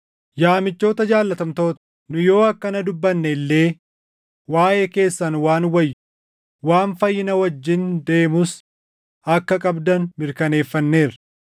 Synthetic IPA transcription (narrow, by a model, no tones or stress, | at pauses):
jaːmɪt͡ʃːo̞ːt̪ɐd͡ʒaːlːɐt̪ɐmt̪o̞ːt̪ɐ̥ | nʊjo̞ːɐkːɐnɐd̪ʊbːɐnːɛɪlːe̞ː | waːʔeːke̞ːsːɐnwaːnwɐjːʊ | waːnfɐjːɪnɐwɐd͡ʒːɪnd̪e̞ːmʊs | ɐkːɐkʼɐbd̪ɐnmɪɾkɐne̞ːfːɐnːe̞ːɾɐ